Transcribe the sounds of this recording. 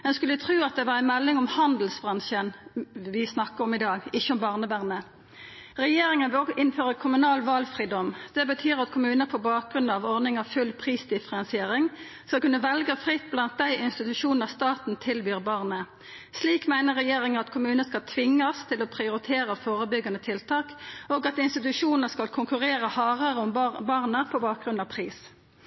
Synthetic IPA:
mɛnskʉləʋɪt̪ʰʁʉːɑt̪̚d̪ɛʋɑːʁæɪnmɛlːɪŋɔmhɑnd̪l̩sbʁɑnʃənʋɪsnɑkːəʁɔmɪd̪ɑːɡɪçːəɔmbɑʁnəʋæʁnə | ʁɛjeːɾɪŋənʋɪlɔʔɪnføːʁəkʰʊmʉnɑːlʋɑlfɾiːd̪ɔmd̪̥ɛbət̪ʰyːɾɑt̪kʰʊmʉːnəəpʰɔbɑːk̚ɡɾʉnd̪ɑʋɔʁd̪ɪŋɑʋfʉlpʰʁiːsd̪ɪfəɾɑnsɪeːɾɪŋ | skɑlkʉnːəʋɛlɡəfʁɪt̪̚ːblɑnt̪̚d̪æɪʔɪnst̪ɪt̪ʉʂuːnəʁst̪ɑːt̪n̩t̪ʰɪlbyːʁbɑʁnə | sliːkmæɪnəʁɛjeːʁɪŋəʁɑt̪kʰʊmʉːnəskɑlt̪ʰʋɪŋːɑst̪ʰɪlɔpʰʁɪʊɾɪt̪ʰeːɾəfoːʁəbʏɡɑnət̪ʰɪlt̪ʰɑːkoːɡɑt̪ɪnst̪ɪt̪ʉʂuːnəskɑlkʰʊŋkʉʁeːʁəhɑːʁəʁəʊmbɑʁnəpʰɔbɑːk̚ɡʁʉnd̪ɑːʋpʰʁiːs

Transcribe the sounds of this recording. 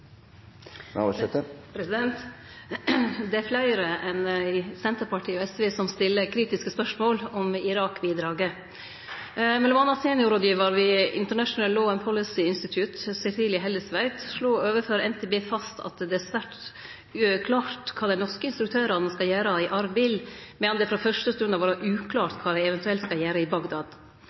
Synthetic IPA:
ɛt̪pʰɾɛsɪd̪ɛnt̪ | d̪ɛæɾflæɪɾəʔɛnæsɛnt̪əɾpʰɑʈʰiːɔɛsʋeːsɔmst̪ɪlːəkʰɾiːt̪ɪskəspœʂmoːlɔmɪɾɑːkbiːd̪ɾɑːɡə | mɛlɔmɑːnːɑseːnɪʊɾɔd̪jiːʋɑɾʋɪɪ̰nt̪əɳæʂn̩əllːoːɛnpʰɔlɪsɪɪnst̪ɪt̪ʰjʉt̪sɛsiːlɪɦɛlːəsʋæɪt̪ʂɭoːøːʋəfɔɾɛnt̪ʰeːbeːfɑst̪ʰɑ̰t̪d̪ɛæɾsʋæʈ | kʰlɑːt̪kʰɑːd̪æɪnɔɾskəɪnst̪ɾʉkt̪ʰøːɾɑnɛnskɑljæːɾɑɪʔɑɾbɪlmɛɔnd̪ɛfɾɑːfœʂʈəst̪ʉnɑʋɑːɾɑʔʉːkʰlɑːɾt̪kʰɑːd̪æɪɛʋɛnt̪ʉɛlt̪skɑjæːɾəɪbɑɡd̪ɑːd̪

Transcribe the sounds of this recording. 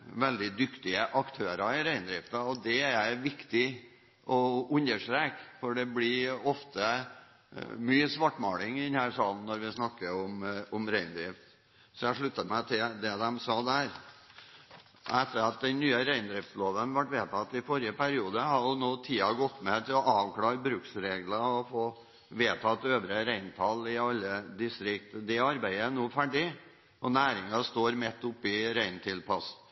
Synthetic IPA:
ʋɛld̪ɪd̪ʏkt̪ɪəʔɑkt̪ʰøːɾɑɪɾæɪnd̪ɾɪft̪əɔd̪ɛæɾjæɪʋɪkt̪ɪ | ʔɔʉnəʂʈɾɛkfɔɖɛblɪɔft̪ʰə | myːsʋɑʈmɑːlɪŋɪd̪ɛnhæːʂɑːln̩ːɔɾʋɪsnɑkːəɔmʊmɾæɪnd̪ɾɪft̪ | sɔjæʂɭʉt̪ːət̪mæɪt̪ʰɪd̪ɛd̪ɛmsɑːd̪æːɾ | ɛt̪ːəɾɑt̪̚d̪ɛnnːyːəɾæɪnd̪ɾɪft̪sloːʋənʋɑʈːʋeːt̪ʰɑt̪ːɪfɔɾɪəpæɾɪuːd̪əhɑɾjʊnoːt̪ʰiːɑɡɔt̪ːmɛt̪ʰɪlɔʔɑːʋkʰlɑːɾbɾʉksɾeːɡlɑɔfoː | ʋeːt̪ʰɑt̪ːøːʋɾəɾæɪnt̪ʰɑlɪɑlːəd̪ɪst̪ɾɪkt̪d̪ɛɑɾbæɪəænoːfæɖɪ | ɔnæːɾɪŋɑst̪oːɾmɛt̪ːʊpːɪɾæɪnt̪ʰɪlpʰɑs

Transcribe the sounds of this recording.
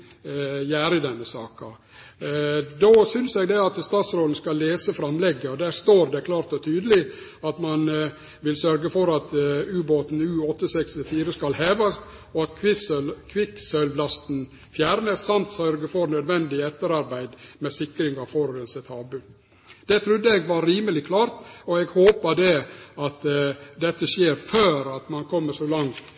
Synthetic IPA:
jæːɾɪd̪ɛnːəsɑːkɑ | d̪oːsʏnsɛɡd̪ɛɑt̪st̪ɑːt̪sɾoːd̪n̩skɑlːeːsəfɾɑmlɛɡːəɔd̪æɾst̪oːɾd̪ɛkʰlɑːɾt̪ɔt̪ʰyːd̪əlɪ | ɑt̪mɑn | ʋɪlsœɾɡəfɔɾɑt̪ʉːboːt̪n̩ʉːɔt̪ːəsɛkst̪ɪfiːɾəskɑlheːʋɑst̪ | ɔɑt̪kʰʋɪkʰʋɪksœllɑst̪n̩ | fjæːɾnəssɑnt̪sœɾɡəfɔɾnœd̪ʋɛnd̪ɪɛt̪ːəɾɑɾbæɪd̪mɛsɪkɾɪŋɑʋfɔɾɾənsɛt̪ʰɑːbʉ | d̪̥ɛt̪ʰɾʉd̪ːəɛɡʋɑɾɾiːməlɪkʰlɑːɾt̪ɔɛɡhoːpəd̪ɛɑt̪d̪ɛt̪ːəʃjeːɾføːɾɑt̪mɑnkʰɔmːəʂoːlɑŋt̪

